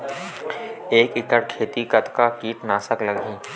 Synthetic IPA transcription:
eːkɪkəʈkʰeːt̪ikət̪kakiːʈnaːsəkləɡɦĩː

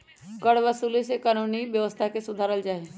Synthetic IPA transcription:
kəɽʋəsuːlesekaːnuːniʋjəʋəst̪ʰakesʊd̪ʱaːɾəld͡ʒaːɦe

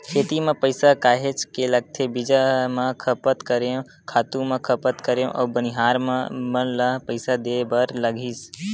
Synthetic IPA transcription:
kʰeːt̪imẽpəɪsakaːɦet͡ʃkeləɡ̚t̪ʰebɪd͡ʒamə̃kʰəpət̪kəɾe | kʰaːt̪ũmẽkʰəpət̪kəɾẽʔɔ̰ːbəniɦaːɾmmə̃ləɦpəɪsad̪eːbəɾləɡʱiːs

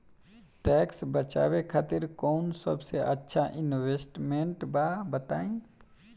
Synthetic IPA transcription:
ʈɛːksbət͡ʃa̰ːwekʰaːt̪ɪɾkɔːnsəbseʔətːʃʰaʔɪnweːsʈmẽɳʈbaːbət̪aːĩː

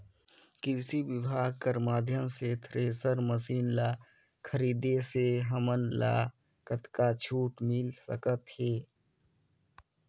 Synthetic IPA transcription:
kɪsibɪbʱaːɡ̚kəɾmaːd̪ʱjəmset̪ʰɾeːsəɾməsiːnlaː | kʰəɾiːd̪eseɦəmənla̰ː | kət̪kat͡ʃʰuːʈmɪlsə̰kət̪heː

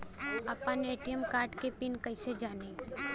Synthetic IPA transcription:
apãneːʈijəmkaːɾʈkepɪnkɐɪsed͡ʒaːne

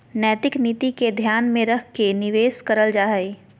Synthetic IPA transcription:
nɛːt̪ɪkniːt̪iked̪ʱjaːnmẽɾəkʰkenɪʋeːskəɾəld͡ʒaːɦə

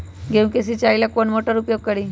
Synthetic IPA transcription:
ɡʱeʋũkes̬it͡ɕailjakoɳmoʈəɾupjoɡ̚kəɽiː

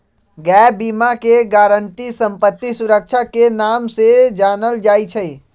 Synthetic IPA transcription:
ɡɛːbiːmakeɡaːɾəɳʈisə̃mpət̪ːisʊɾək̚ʃʰakenaːmsed͡ʒaːnəld͡ʒaːit͡ʃʰəi

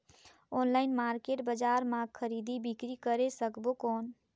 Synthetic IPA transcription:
ɔnlaɪnmaɾkeʈbəd͡ʒaɾmaɡ̚kʰəɾid̪ibikɾikəɾesəkbokɔːn

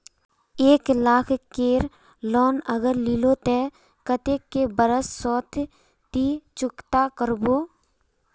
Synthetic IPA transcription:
eːklaːkʰkeːɾ | lɔːnəɡəɾlilot̪e | kət̪ekːebəɾəsːɔːt̪ʰ | t̪it͡ʃʊkt̪akəɾboː

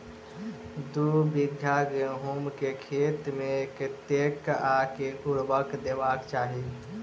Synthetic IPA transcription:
d̪ubiɡʱjaɡeɦumkekʰet̪mekt̪ekakekuɽbəkd̪ebaːkt͡ʃaːɦi

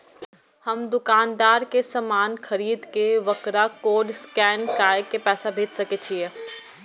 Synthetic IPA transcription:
hɐmd̪ʊkaːnd̪aːɾkesɐmaːnxɐɾiːd̪keʋɐkɾakoːɖskɛːnkaːjkːepɛːsabʱeːt͡ʃsɐket͡ʃʰie

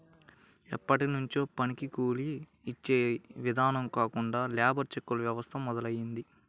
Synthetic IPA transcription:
ḭpːɐʈinuɲt͡ʃo̞ːpɐnikikuːliː | t͡ʃːeːʋid̪ʱaːnɐmkaːkuɳɖaːljaːbɐɾt͡ʃekːulɐʋjɐʋɐst̪ʰɐmːɔd̪ɐlɐjːind̪i

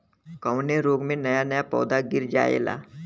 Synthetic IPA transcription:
kəwneɾoːɡmẽnɐjanɐjapɔ̰ːd̪aɡɪɾd͡ʒa̰ːḛːla̰ː

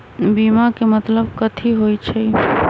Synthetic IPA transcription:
bimakemət̪ləbkət̪ʰiɦojt͡ʃʰə

